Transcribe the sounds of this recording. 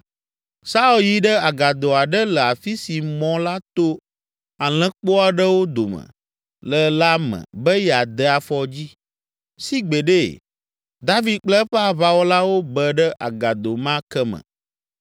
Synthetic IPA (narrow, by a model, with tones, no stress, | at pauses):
sa˦u˨lji˦ɖə˦a˨ɡa˨d̪o˨a˨ɖə˦lə˨a˨fi˦si˨mɔ̃˦la˦t̪o˦ | a˨l̃ɛ̃˨˦k͡po˦a˨ɖə˦wo˦d̪o˨mə̰̃˨ | lə˨la˦mɛ̰̃˨bɛ˦jɛ˨a˨d̪ə˦a˨fɔ˦d͡ʑi˦ | si˦ɡ͡bɛ˨ɖe˦ | d̪a˦vi˦d̪̚k͡plə˦ɸɛ˦a˨βa˨wo˦la˦wo˦bə˨ɖə˦ʔa˨ɡa˨d̪o˨mã˦kɛ˦mə̰̃˨